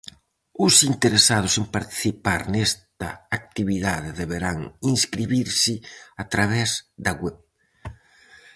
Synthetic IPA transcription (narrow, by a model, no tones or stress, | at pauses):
ʊsint̪eɾesað̞ʊsempaɾt̪i̥θipaɾnest̪ɐ̰ak̚t̪iβiðaðeðeβeɾaŋinskɾiβiɾsɪat̪ɾaβ̞ɛzd̪ɐɣwɛβ